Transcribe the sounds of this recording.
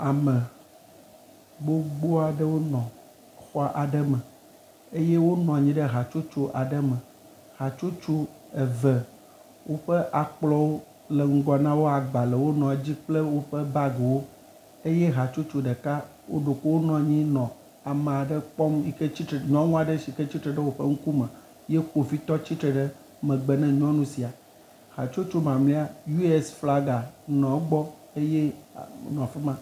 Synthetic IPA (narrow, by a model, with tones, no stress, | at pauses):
a˨mɛ̃˨ | bo˦ɡ͡bo˦a˨ɖə˦wo˦nɔ̃˨ | xɔ˦ʔa˨ɖə˦mɛ̃˨ | e˦je˦wo˦nɔ̃˨ɲĩ˦ɖə˦ɦa˨t͡ʃo˦t͡ʃo˦ʔa˨ɖə˦mɛ̃˨ | ɣa˨t͡ʃo˦t͡ʃo˦ | e˨ve˨ | wo˦ɸe˦ʔa˨k͡plɔ˦wo˦ | le˨ŋ̩˦ɡɔ˨nã˦wo˦a˨ɡ͡ba˨le˨wo˦nɔ̃˨a˨d͡ʑi˦k͡ple˦wo˦ɸe˦ba˦ɡe˨wo˦ | e˦je˦ɦa˨t͡ʃo˦t͡ʃo˦ɖe˨ka˦ | wo̰˦ɖo˨ko˦wo˦nɔ̃˨ɲĩ˦nɔ̃˨ | a˨m̃˨a˨ɖə˦k͡pɔ˦mi˦ke˦t͡ɕi˦t̪ɾe˨ɲɔ̃˦nũ˦a˨ɖe˦ʃi˨kɛ˦t͡ɕi˦t̪ɾɛ˨ɖə˦wo˦ɸe˦ŋ̩˦ku˦mɛ̃˨ | je˦ko˨fi˦t̪ɔ˦t͡ɕi˦t̪ɾə˨ɖə˦ | mɛ̃˨ɡ͡bɛ˨nɛ̃˦ɲɔ̃˦nũ˦si˨a˨ | ha˨t͡ʃo˦t͡ʃo˦mã˨mlĩ˦a˨ju˦ɛ˦sfla˦ɡa˨nɔ̃˨˦ɡ͡bɔ˦ | e˦je˦nɔ̃˨fe˦mã˦